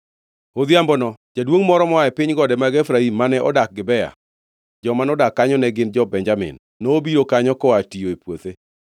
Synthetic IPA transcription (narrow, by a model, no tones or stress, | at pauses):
od̪jambɔnɔd͡ʒadwoŋmɔɾɔmɔaɛpɪɲɡɔdɛmaɡɛfɾaimːanɛʔɔdak̚ɡɪbɛa̰ | d͡ʒɔmanɔdakːaɲɔnɛɡɪnd͡ʒɔbɛɲd͡ʒamɪ̰nːɔobiɾokaɲɔkɔatijoepwot̪e